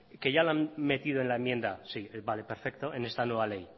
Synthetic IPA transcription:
ke̞ʝalanme̞t̪iðoe̞nlaemje̞nd̪asibale̞pe̞ɾfe̞k̚t̪o̞e̞ne̞st̪anwe̞β̞ale̞j

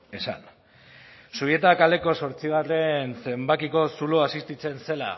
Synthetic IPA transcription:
e̞sa̰n | suβje̞t̪akald̪e̞ko̞so̞ɾt͡siɣ̞are̞nse̞mbakiko̞suloasist̪it͡se̞nse̞la̰

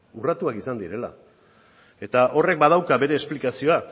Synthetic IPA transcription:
urat̪uakisand̪iɾe̞la̰ | e̞t̪aʔo̞re̞k̚bað̞awkabe̞ɾe̞ːsplikasio̞a

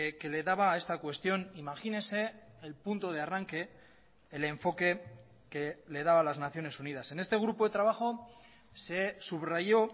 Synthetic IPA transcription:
ke̞le̞ðaβaːe̞st̪akwe̞st̪jo̞nimaxine̞se̞ː | lpunt̪o̞ð̞e̞araŋke̞ː | le̞ɱfo̞ke̞ | ke̞le̞ð̞aβalaznaθjone̞sunið̞ase̞ne̞st̪e̞ɣɾupo̞ðe̞t̪ɾaβ̞axo̞ | se̞suβrajo̞

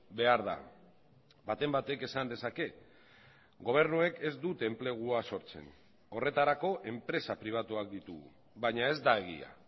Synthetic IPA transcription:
be̞aɾða̰ | bat̪e̞mbat̪e̞ke̞sand̪e̞sake̞ | ɡo̞β̞e̞ɾnue̞ke̞zd̪ut̪e̞mple̞ɣ̞uaso̞ɾt͡se̞̰n | o̞re̞t̪aɾako̞ʔe̞mpɾe̞sapɾiβ̞at̪uak̚d̪it̪uɣṵ | βaɲae̞zd̪ae̞ɣ̞ḭa̰

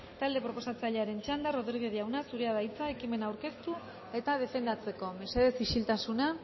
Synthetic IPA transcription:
t̪ald̪e̞pɾo̞po̞sat͡saʎeaɾe̞nt͡ʃand̪aro̞ðɾiɾɣeðiawnasuɾeaðajt͡sae̞kime̞nawɾke̞st̪u | e̞t̪aðe̞fe̞nd̪at͡se̞ko̞mese̞ðe̞siʃilt̪asuna

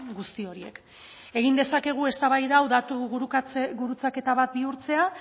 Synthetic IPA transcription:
ɡust̪io̞ɾie̞̰k | e̞ɣind̪e̞sake̞ɣ̞ue̞st̪aβajðawðat̪uɣt͡sɣuɾut͡sake̞t̪aβat̪̚biuɾt͡se̞a

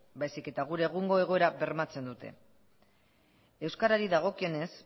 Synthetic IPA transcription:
bajsike̞t̪aɣ̞uɾe̞ːɣ̞uŋɡo̞e̞ɣ̞o̞eɾaβe̞ɾmat͡se̞nd̪ut̪e̞̰ | e̞wskaɾaɾiðaɣ̞o̞kie̞ne̞s

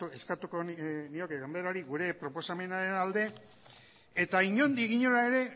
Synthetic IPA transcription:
ue̞skat̪uko̞nio̞keɣambeɾaoɾiɣuɾe̞pɾo̞po̞same̞naɾe̞nald̪e̞ | et̪aiɲo̞nd̪iɣiɲo̞ɾae̞ɾe̞

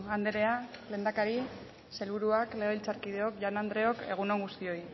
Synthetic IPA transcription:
and̪eɾe̞ale̞ːnd̪akaɾi | se̞lβuɾuakle̞oilt͡saɾkiðeo̞kʝanand̪ɾe̞o̞ke̞ɣ̞unoŋɡust̪io̞j

